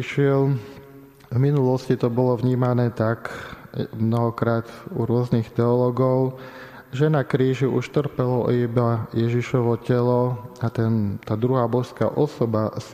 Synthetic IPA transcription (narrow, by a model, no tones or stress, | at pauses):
iʃɪɛl | vminulɔscit̪ɔbɔlɔvɲiːmanɛːt̪ak | mnɔɦɔkɾaːd̪uɾʊɔznixt̪ɛɔlɔɡɔʊ | ʒɛnakɾiːʒiʔuʃt̪r̩pɛlɔibajɛʒiʃɔʋɔcɛlɔat̪ɛnt̪aːd̪ɾuɦaːbɔʃska̰ʔɔsɔbas